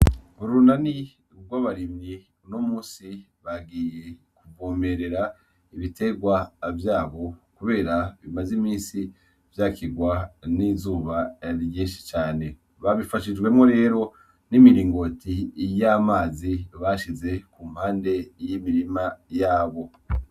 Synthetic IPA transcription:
βuɾunani | βɡwaβaɾimɲi | uno̞muːnsi | βaɡiːje̞ | kuvoːme̞ɾe̞ɾa | iβite̞ɡwavjaːβo̞kuβe̞ːɾaβimazimiːnsi | v̥jakiɡwanizuːβaɾɲiːnʃi̥t͡ʃaːne̞ | βaβifaʃid͡ʒɡwe̞mŋo̞ɾe̞ːɾo̞ | nimiɾiːŋɡo̞tijamaːziβaʃize̞kum̥haːnde̞jimiɾimajaːβo̞

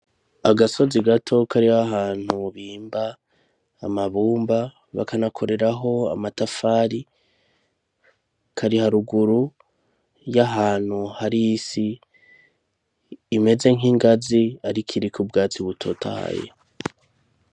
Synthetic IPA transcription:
aɡaso̞ziɡatʰo̞kaɾihaɦaːn̥huβiːmbaː | maβuːmba | βa̰kanakʰo̞ɾe̞ɾaɦo̞a̰matafaːɾi | kʰaɾihaɾuɡuɾu | jaɦaːn̥huhaɾisi | me̞ze̞ŋiŋɡaziaɾikʰiɾikubɡaːt͡siβutʰo̞tʰa̰ha̰jḛ

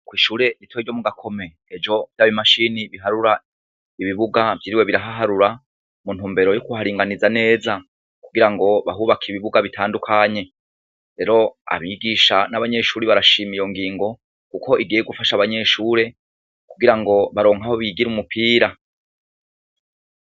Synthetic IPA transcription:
kwiːʃuːɾe̞ɾitwoeiɾd͡ʒo̞muɡakʰo̞me̞ | ed͡ʒo̞vjaβimaʃiːniβiɦaɾuɾa | iβiβuɡavɟiɾiwe̞βiɾaɦaɦaɾuɾa | mun̥uːmbe̞ɾo̞jokuhaɾiːŋɡanizane̞ːza | kuɡiɾaŋɡo̞βaɦuβakʰiβiβuɡaβitʰaːndukʰaɲe̞ | ɾe̞ɾo̞a̰βiɡiʃanaβaɲe̞ʃuːɾiβaɾaʃimijo̞ŋɡiːŋɡo̞ | kukʰo̞ʔiɡiːjeɡufaʃaβaɲe̞ʃuɾe̞ | kuɡiɾaŋɡo̞βaɾo̞ːŋaho̞βiɡiɾumupʰiːɾa

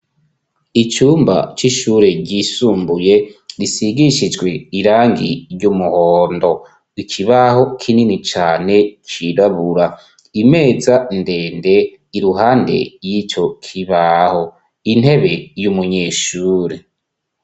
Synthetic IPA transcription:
it͡ʃuːmba̰t͡ʃiʃuːɾe̞ɟisuːmbuje̞ɾisiɡiʃid͡ʒɡwe̞iɾaːŋɡiɾɟumuhoːndo̞ | ikʰiβaho̞kʰininit͡ʃaːne̞t͡ʃiɾaβuɾa | ime̞ːzande̞ːnde̞ | iɾuɦaːnde̞̰jiːt͡ʃo̞kʰiβaho̞ | in̥he̞βe̞jumuɲeʃuːɾe

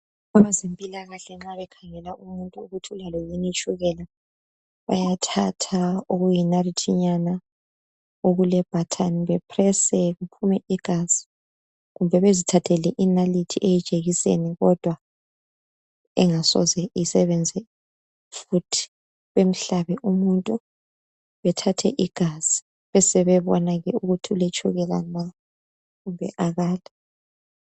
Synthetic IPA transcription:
aβazempʼilaɣaɬɛŋ͡ǁaβɛkʰaŋɛlaʔumuntʼuuɣutʰiulalɔjinit͡ʃʼuɣɛla | βa̰jatʰatʰaoɣujinalitʰiɲana | oɣulɛb̥ʱatʰaniβɛpʰrɛsɛɣupʰumɛiɡ̥ʱaz̥i̥ | ɣumbʱɛβezitʰatʰɛlɛʔinalitʰiʔejid̥ʒ̥ʱeɣisḛniɣɔd̥ʱwa | ɛŋasɔ̰zɛisɛβɛnd͡zʱɛ | futʰi̥ | βem̩ɬaβɛʔumuntʼu | βɛtʰatʰɛ̰ʔiɡ̥ʱaz̥i̥ | βɛsɛβɛβɔnaɣɛuɣutʰulet͡ʃʰʼuɣɛla̰na | ɣumbʱɛ̰ʔaɣaːla

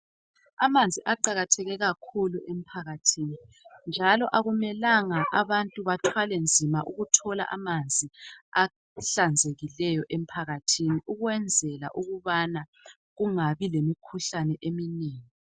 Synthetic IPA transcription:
amand͡zʱiʔaǃaɣatʰɛɣɛɣakʰuluʔem̩pʰaɣatʰini | nd͡ʒʱalɔʔaɣumɛlaŋaʔaβantʼuβatʰwalɛnd͡zʱimaʔuɣutʰɔla̰ʔamand͡zʱia | ɬand͡zʱeɣilɛjɔʔem̩pʰaɣatʰiniʔuɣwɛnd͡zʱɛla̰ʔuɣuβana | ɣuŋaβilemikʰuɬanɛʔemineːŋi

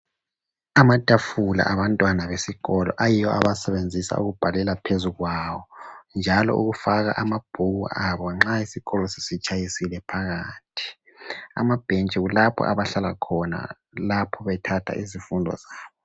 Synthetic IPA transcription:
amatʼafula̰ʔaβantʼwanaβesiɣɔlɔ̰ʔajijɔʔa̰βasɛβend͡zʱisa̰ṵɣub̥ʱalɛlapʰezuɣwawɔnd͡ʒʱalɔ̰ṵɣufaɣa̰ʔamab̥ʱuɣṵaβɔŋ͡ǁaisiɣɔlɔsi̥sit͡ʃʼajisilɛpʰaɣaːtʰi̥ | a̰mab̥ʱent͡ʃʼɛɣulapʰɔ̰aβaɬalakʰɔna̰ | lapʰɔβɛtʰatʰa̰ʔizifundʱɔ̰zaːβɔ

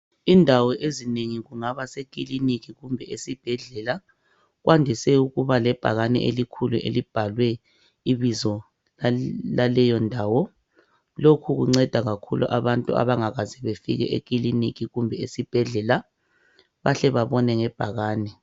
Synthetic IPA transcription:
indʱawɔʔezineŋiɣuŋaβasek̬ʼilinikiɣumbʱɛesib̥ʱɛɮɛla | ɣwʔandʱisɛuɣuβalɛb̥ʱa̰ɣanɛ̰ʔelikʰuluʔḛlib̥ʱalwɛ | iβizɔ | lalɛjɔndʱaːwɔ | lokʰuɣuŋ͡ǀɛd̥ʱaɣakʰulṵʔa̰βantʼua̰βaŋaɣazɛβefḭɣɛ̰ʔek̬ʼilinikiɣumbʱɛesib̥ʱɛɮɛla | βaɬɛβaβɔnɛŋɛb̥ʱaɣaːnɛ

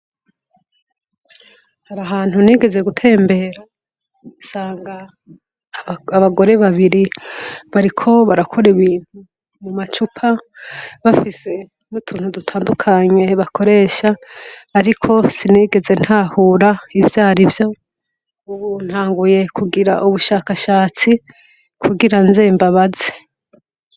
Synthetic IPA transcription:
haɾaɦaːn̥huniːɡe̞ze̞ɡutʰe̞ːmbe̞ɾa | usaːŋɡa | βaɡo̞ɾe̞βaβiɾiβaɾikʰo̞βaɾakʰo̞ɾiβiːn̥hu | mumat͡ʃupʰaβafise̞ | mutʰuːn̥hudutʰaːndukʰaɲe̞βakʰo̞ɾe̞ːʃaːɾikʰo̞siniːɡe̞ze̞n̥haːhuːɾaivjaːɾivjo̞ | uβun̥haːŋɡuje̞kʰuɡiɾa̰ʔuβuʃaːkaʃaːt͡si | kʰuɡiɾanzeːmbaβaze̥

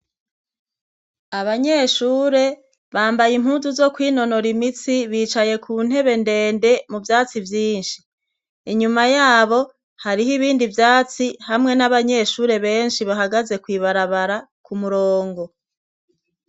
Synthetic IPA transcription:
aβaɲe̞ːʃuːɾe̞ | βaːmbajim̥huːnzuzo̞kwiːno̞no̞ɾimit͡siβiːt͡ʃaje̞kʰuːn̥he̞βe̞nde̞ːnde̞muvjaːt͡sivjiːnʃiː | ɲumajaːβo̞ | haɾiɦiβiːndivjaːt͡sihamŋe̞naβaɲe̞ʃuːɾe̞βe̞ːnʃiβaɦaɡaze̞kwiːβaɾaβaɾakumuɾoːŋɡo̞

